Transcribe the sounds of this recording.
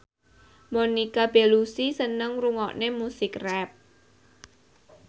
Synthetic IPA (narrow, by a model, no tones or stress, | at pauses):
monikab̥elusisənəŋruŋɔʔnemusɪkrɛp̚